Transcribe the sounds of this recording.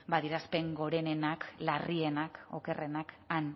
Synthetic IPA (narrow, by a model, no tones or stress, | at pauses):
baðiɾaspe̞ŋɡo̞ɾe̞ne̞naklarie̞nako̞̰ke̞re̞nak | an